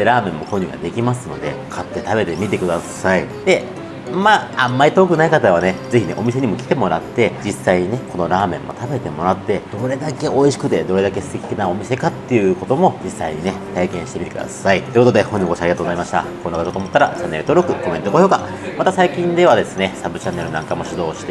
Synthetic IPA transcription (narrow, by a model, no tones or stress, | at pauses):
ɾaːmẽ̞mːo̞koɲ̟ʲɨːɡa̰d̪e̞kʲimasɨno̞d̪e̞̰kʰat̪ːe̞t̪abe̞t̪e̞mʲit̪e̞kɯ̟d̪asaid̪̥e̞ | maːamːaɾit̪okɯ̟naikat̪aβ̞ane̞ze̞çine̞ʔo̞mise̞ɲ̟imo̞kʲi̥t̪e̞mo̞ɾa̰t̪ːe̞d͡ʑisːaiɲ̟ine̞ko̞no̞ɾaːmẽ̞mːo̞̰t̪abe̞t̪e̞mo̞ɾat̪ːe̞d̪̥o̞ɾe̞d̪ake̞ʔo̞iɕi̥kɯ̟t̪e̞d̪o̞ɾe̞d̪ake̞sɨ̥t̪e̞kʲi̥kʲinaomʲise̞kat̪ːe̞jɯ̟ko̞t̪o̞mo̞d͡ʑisːaiɲ̟ine̞t̪aikẽɕi̥t̪e̞mit̪e̥kɯ̟d̪a̰sait̪oeeːkot̪od̪ehõɲːiɡo̞ɕiaɾʲiɡat̪oɡozaimaɕi̥t̪a̰konːokat̪ot̪oːmot̪ːaɾat͡ɕanːe̞ɾɯ̟t̪o̞ːɾo̞kɯ̟ko̞mẽ̞t̪okoːjo̞ːka | mat̪asaikʲĩnd̪e̞β̞ad̪e̞sɨne̞sabɯ̟t͡ɕanːe̞ɾɯ̟nãŋkamo̞ɕid̪o̞ːɕi̥t̪e